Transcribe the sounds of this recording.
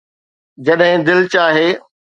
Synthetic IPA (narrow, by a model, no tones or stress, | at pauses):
d͡ʑɐɗɦɪ̃d̪ɪlt͡ɕaːɦeː